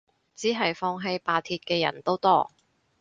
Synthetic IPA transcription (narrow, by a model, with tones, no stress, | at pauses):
t͡siː˨˥ɦɐ˨jfɔː˧ŋɦe˧jpaː˧t̪ʰiː˧t̚kɛː˧jɐ̰˨˩nt̪o˥wt̪ɔː˥